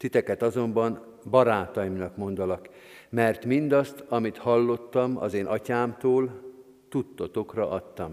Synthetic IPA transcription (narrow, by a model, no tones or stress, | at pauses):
t̪it̪ɛkɛt̪ɒzo̞mbɒn | bɒɾaːt̪ɒjimnɒkmo̞nd̪olɒk | mɛrt̪mind̪ɒst̪ɒmit̪hɒlːo̞t̪ːɒmɒ̰zeːnʔɒcaːmt̪oːl | t̪ut̪ːo̞t̪o̞krɒ̰ʔɒt̪ːɒm